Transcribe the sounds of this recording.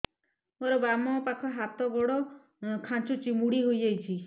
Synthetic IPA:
moɾɔbamɔpakʰɔɦat̪ɔɡɔɽɔ | kʰãnt͡ʃut͡ʃimuɽiɦoijd͡ʒajt͡ʃʰi

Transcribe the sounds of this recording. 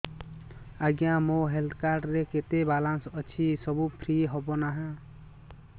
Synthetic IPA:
aɡjãmoɦeld̪kaɾɖɾeket̪ebalansʌt͡ʃʰisʌbupʰɾiɦɔbonaɦã

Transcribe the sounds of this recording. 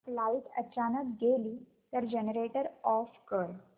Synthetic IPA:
flaiʈət͡ɕanət̪ɡeliː | t̪əɾd͡ʑenəɾeʈəɾɔfkəɭ

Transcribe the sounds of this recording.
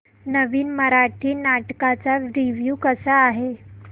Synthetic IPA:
nəʋiːnməɾaʈʰiːnaʈkat͡saɾiʋjuːkəsaːɦe

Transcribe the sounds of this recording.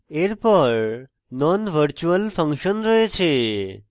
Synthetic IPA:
eɾpəɾ | nɔnʋəɾt͡ʃuəlfə̃ŋkʃənɾəɦet͡ʃʰe

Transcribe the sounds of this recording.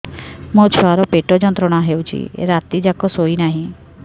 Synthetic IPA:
mõt͡ʃʰoaɾɔpeʈɔd͡ʒɔnt̪ɾɔɽ̃aɦeut͡ʃʰḭḛɾat̪id͡ʒakɔsoinaɦĩ

